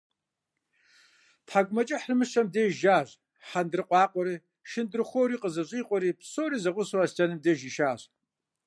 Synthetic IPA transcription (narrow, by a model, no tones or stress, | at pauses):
tħaɡʷmat͡ʃʼɪħrɨmɨʃʰamdeːjʒaːʒʷ | ħandrɨqʷʼɑːqʷʼɔɾi | ʃɪndɨrχʷowɾiːqʼəzaɕʷʼiːqʷʼɔɾiːpʰsowriːzaʁʷʊswasd͡ʒʼanɨmdeːʒiʃaːɕ